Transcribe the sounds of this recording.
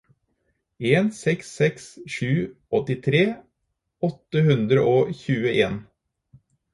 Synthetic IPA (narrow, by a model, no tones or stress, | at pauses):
eːnsɛksːɛksʃʉː | ɔt̪ɪt̪ʰɾeː | ɔt̪ːəhʉnd̪ɾəʔoːçʉːəʔeːn